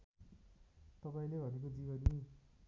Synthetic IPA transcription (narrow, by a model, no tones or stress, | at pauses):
t̪ʌpaĩlebʱʌnek̬od͡zibʌni